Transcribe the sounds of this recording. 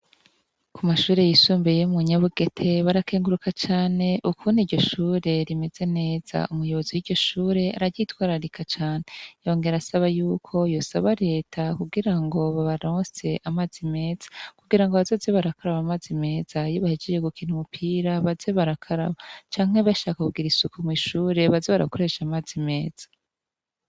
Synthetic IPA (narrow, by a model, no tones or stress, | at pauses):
kumaʃuːɾe̞jisuːmbejomuɲaβuɡe̞tʰe̞βaɾakʰeːŋɡuɾukat͡ʃaːne̞ʔukʰuːniɾɟo̞ʃuːɾe̞ɾime̞ze̞ne̞ːz̥a̰ʔumujo̞βo̞ziwiɾɟo̞ʃuːɾe̞aɾaɟitwaːɾaɾikʰat͡ʃaːne̞jo̞ŋɡe̞ɾasaβajuːkʰo̞jo̞saβaɾe̞ːtʰakuɡiɾaŋɡo̞βaβaɾoːse̞ʔamazime̞ːz̥ḁkuɡiɾaŋɡoβazo̞zeβaɾakaɾaβamaːzime̞ːz̥ajoβahid͡ʒed͡ʒeɡukiːn̥umupʰiːɾaβazeβaɾakʰaɾa̰βat͡ʃaːŋ̥he̞βaʃaːkakubɡiɾisukomwiʃuːɾe̞βazeβaɾa̰ko̞ɾe̞ʃamaːzime̞ːz̥ḁ